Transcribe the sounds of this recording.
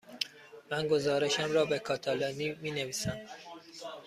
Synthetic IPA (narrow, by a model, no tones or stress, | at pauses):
mænɡo̞zɒːɾe̞ʃæmɾɒːbekʰɒːt̪ʰɒlɒːniːmiːneviːsæm